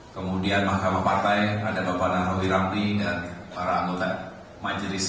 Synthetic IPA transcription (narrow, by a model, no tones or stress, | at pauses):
kəmudianmahkamahpart̪ajadabapanaroɦiɾampidanpaɾaːŋɡot̪a | mad͡ʒəɾis